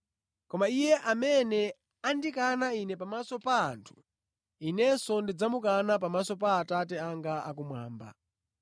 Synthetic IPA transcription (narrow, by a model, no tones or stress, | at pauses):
kɔmaijɛʔamɛnɛ | andikanainɛpamasɔpaːntʰu̥ | inɛsɔndid͡zamukanap̬amasɔpaːtatɛaŋɡaa̰k̬umwaːmba̰